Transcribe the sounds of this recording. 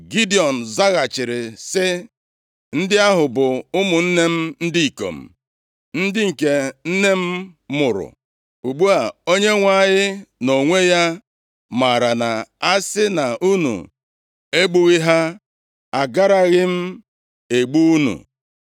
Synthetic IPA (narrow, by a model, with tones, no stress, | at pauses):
ɡi˦di˨ɔ˨n̩˨za˦ɣa˨t͡ʃɪ˨ɾɪ˨sɪ˦ | n̩˦dɪ˦a˦ɦʊ˨bʊ˨ʊ˦mʊ˨n̩˦ne˦m̩˦n̩˦di˦i˨ko̰˨m̩˨ | n̩˦dɪ˦ŋ̩˨ke˨n̩˦ne˦m̩˦mʊ˨ɾʊ̰˨ | u˨ɡ͡bu˦a˨o˦ɲe˦ŋʷa˦˨ɲɪ˦no˨ŋʷe˦ja˦ | ma˨ɾa˨na˨a˦sɪ˦na˨ʔu˦nṵ˨ | e˦ɡ͡bu˦ɣi˦ɦa˦ | a˨ɡa˦ɾa˦ɣɪ˦m̩˦ | e˨ɡ͡bu˦u˦nṵ˨